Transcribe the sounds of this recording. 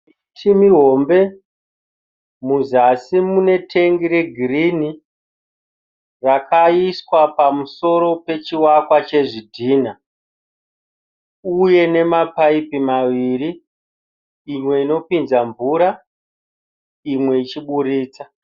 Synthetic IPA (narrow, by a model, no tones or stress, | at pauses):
tʰimiɦo̞mbe̞ | muzasimune̞tʰe̞ŋɡiɾe̞ɡʱirini | rakʰaiswapamuso̞ɾo̞pe̞t͡ʃiwakwat͡ʃe̞ʐidʱiːna | uje̞ne̞mapaipimaʋiɾi | mwe̞ino̞pinzaɱvuɾa | imwe̞it͡ʃiɓuɾiːt͡sa